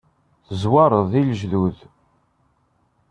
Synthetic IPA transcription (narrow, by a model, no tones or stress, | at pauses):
θəzwɑɾˤəðˤilʒðuð